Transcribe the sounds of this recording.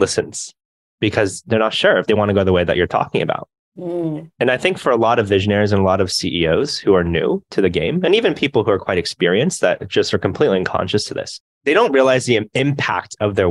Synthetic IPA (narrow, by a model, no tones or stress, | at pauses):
lɪsɨ̃nz̥ | b̥ɨkʰʌzðə˞nətʃʊɹɨfðeɪwɑ̃ñɨɡoʊðəweɪðɨ̰t͡ʃə̰˞tʰɔ̰kɪ̃ŋɨba̰ʊt̚ | ɨ̃naɪθɪ̃ŋkfə˞əlɔɾʌvɪʒɨ̃nɛɹizɨ̃nəlɔɾʌv̥siʔioʊz̥huə˞nʉ̰tʰɨðɨɡḛ̃ɪ̃mɨ̃nivɨ̃npʰipl̩ˠhuə˞kʰw̥aɪɾɨkspɪɹiɨ̃nsðɨ̰t̚d̥ʒ̥ʌstə˞kʰm̩pʰl̥itˡliʌ̃nkʰɑ̰̃nʃɨstʰɨðɪ̰s | ðeɪɾõʊ̃nt̚ɹiəlaɪzðiɪ̃mpʰæ̰k̚tʰʌvðə˞